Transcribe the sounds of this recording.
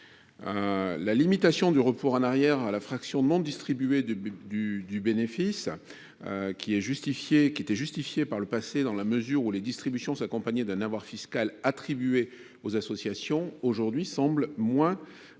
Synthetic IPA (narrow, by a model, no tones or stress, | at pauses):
lalimit̪asjɔ̃d̪yʁəpoʁɑ̃naʁjɛʁalafχaksjɔ̃nɔ̃d̪ist̪χibyed̪yd̪ybenefis | kʲiɛʒyst̪ifjekʲiet̪ɛʒyst̪ifjepaʁləpased̪ɑ̃laməzyʁuled̪ist̪χibysjɔ̃sakɔ̃paɲɛd̪ɛ̃navwaʁfiskalat̪χibɥe | ozasɔsjasjɔ̃oʒuʁd̪ɥisɑ̃blmwɛ̃